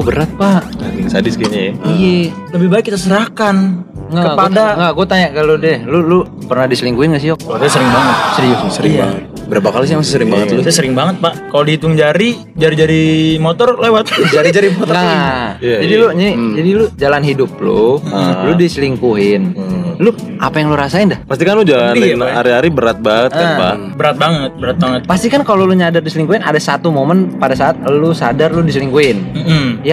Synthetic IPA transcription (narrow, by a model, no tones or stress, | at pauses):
bəɾat̪̚paʔɾɪŋsadɪskiɲajijɛ | ləbɪhbaɛkːit̪asəɾahkan | ŋɡakəpadaŋɡaɡuat̪aɲakalodɛlʊlʊ | pərnadisəliŋkuɪnɡaʔsiɔk̚asjasəɾɪŋbaŋət̪̚səɾiɔksəɾɪŋbaŋət̪̚ | bəɾapakalis̬jamasɪsəɾɪŋbaŋət̪lʊssəɾɪŋbaŋət̪̚paʔkalodit̪ʊŋd͡ʒaɾi | d͡ʒaɾid͡ʒaɾimɔt̪ɔrlewat̪d͡ʒaɾid͡ʒaɾimɔt̪ɔaad͡ʒadilʊɲinid͡ʒadilʊd͡ʒalanɦidʊp̚lʊ̰ludisəliŋkuɦɪnlʊʔapajaŋluɾasaɪndahpast̪ikanlʊd͡ʒalannaɾiaɾibəɾat̪̚baŋət̪̚kapa̰ | bəɾat̪̚baŋət̪̚bəɾat̪̚baŋət̪̚past̪ikankaloluɲadardisəliŋkuɪna̰dasat̪umomənpadasaʔat̪̚lusadarludisəliŋkuɪnm̩m̩ja